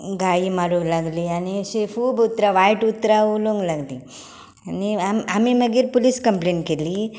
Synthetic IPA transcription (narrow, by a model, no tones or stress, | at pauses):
ɡaimaɾulaɡliːanisefuːbut̪ɾaʋajʈut̪ːɾauluŋɡlaɡliː | aniaamiməɡiːɾpuliskəmpleɳʈkeliː